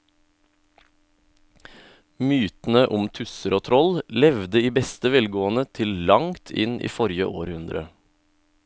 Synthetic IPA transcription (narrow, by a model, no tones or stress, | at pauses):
myːt̪n̩əʔʊmt̪ʰʉsəɾoːt̪ʰɾɔllɛʋd̪əiːbɛst̪əʋɛlɡoːənət̪ʰɪllɑŋt̪ʰɪ̰nʔḭːfɔɾjəʔoːɾhʉnd̪ɾə̰